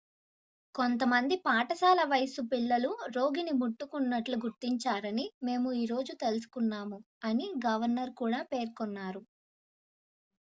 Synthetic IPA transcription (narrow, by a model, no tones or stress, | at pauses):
kont̪̬ɐmɐnd̪ipaːʈɐsaːlɐʋɐjɐsupiɭːɐluɾo̞ːɡinimuʈːukunːɐʈluɡuɾt̪iɲt͡ʃaːɾɐnime̞ːmuiːɾo̞ːd͡ʒut̪e̞lus̬u̥kunːaːmu | ɐniɡɐʋɐɾnɐɾkuːɽaːpe̞ːɾkɔnːaːɾu